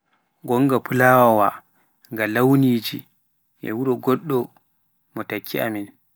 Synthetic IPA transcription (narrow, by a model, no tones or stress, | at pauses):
ɡɔŋɡapʰulaːwɔwa | ŋɡalawniːd͡ʒḭ | ʔɛ̰wuɾɔɡɔɗːɔ | mɔtakʰːia̰min